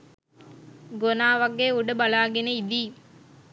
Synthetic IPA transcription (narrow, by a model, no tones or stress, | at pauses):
ɡonaːʋɐɡeːuɖəbalaːɡeneid̪iː